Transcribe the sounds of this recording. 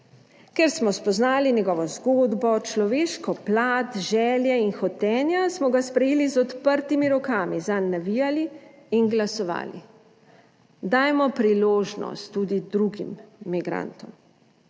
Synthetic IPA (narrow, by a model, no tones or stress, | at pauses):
kɛɾsmɔspɔznaːlinjɛɡɔːʋɔzɡoːd̪bɔt͡ʃlɔʋeːʃkɔplaːt̪ʒɛːljɛinxɔt̪ɛːnjasmɔɡaspɾɛjeːlizɔt̪pəɾt̪imiɾɔkaːmizanːaʋijali | inɡlasɔʋa̰ːlḭ | d̪aːjmɔpɾiloːʒnɔ̰st̪ːuːd̪id̪ɾuɡimːiɡɾa̰nt̪ɔm